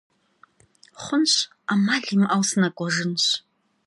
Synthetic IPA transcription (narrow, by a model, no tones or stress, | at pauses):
χʷʊnɕʷ | amaɮimʔawsnakʷʼɔʐɨnɕʷ